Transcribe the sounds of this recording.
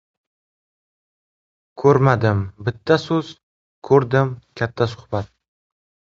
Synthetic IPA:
kʰɵɾmad̪ɪmbɪt̪ʰːasɵz̥ | kʰɵɾd̪ɪmkʲʰat̪ʰːasʊ̥hbat̪̚

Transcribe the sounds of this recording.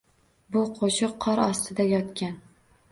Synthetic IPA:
bʊqʰoʃɨqʰːɒɾɒst̪ʰɪd̪ajɒt̪kʲʰan

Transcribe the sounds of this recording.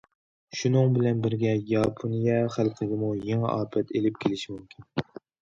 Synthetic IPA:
ʃunɨŋbɪlɛnbɪɾɡʲɛjɑpʰonijɛχælˠqʰəɡʲɪmujeŋɛ̰ʔɑːpʰɛt̪ʰelɪp̚kʲʰelɪʃimymkʲʰin

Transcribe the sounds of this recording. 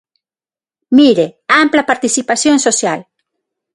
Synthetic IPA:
miɾeamplapaɾt̪isipasjoŋsosjal

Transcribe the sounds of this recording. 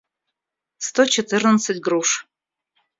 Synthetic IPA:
st̪ot͡ʃʰɪt̪ʰɨrnət͡sɨtʲɡruʂ

